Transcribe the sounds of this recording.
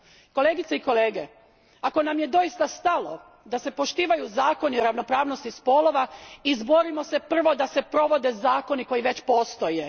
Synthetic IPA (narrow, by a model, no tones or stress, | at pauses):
ko̞leːɡit̪seiko̞leːɡe | ako̞namje̞d̪o̞ist̪ast̪alo̞̰ | d̪ase̞po̞ʃt̪iːʋajuzaːko̞nioɾaʋno̞pɾaːʋno̞st̪ispo̞lo̞ʋaizbo̞ɾimo̞se̞pr̩ʋo̞d̪ase̞pɾo̞ʋo̞d̪e̞zaːko̞niko̞jiʋe̞t͡ɕpo̞ːst̪o̞je